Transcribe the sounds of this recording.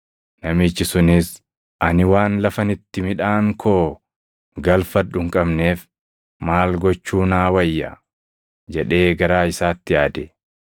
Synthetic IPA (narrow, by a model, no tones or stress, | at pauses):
nɐmɪt͡ʃːɪsʊnɪs | ɐnɪwaːnlɐfɐnɪt̪ːɪmɪᶑaːŋkʰoː | ɡɐlfɐᶑʊŋkʼɐbne̞ːf | maːlɡɔt͡ʃːuːnaːwɐjːɐ̰ | d͡ʒɛᶑe̞ːɡɐɾaːɪsaːt̪ːɪjaːd̪ɛ